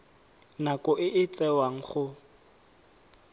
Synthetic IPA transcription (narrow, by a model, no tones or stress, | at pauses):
nakʼɔʔɪʔɪt͡sʼɛwaŋ̩χʊ